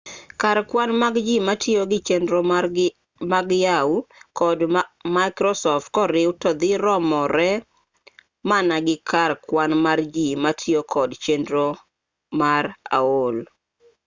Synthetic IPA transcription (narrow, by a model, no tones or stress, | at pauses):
kaɾkwanmaɡd͡ʒimatɪoɡɪt͡ʃendɾo | maɡjaukɔdmajkɾɔsɔft̚kɔɾɪʊtɔd̪ɪɾɔmɔɾɛ | manaɡɪkarkwanmard͡ʒimatʰɪokʰɔdt͡ʃendɾo | maɾa̰ol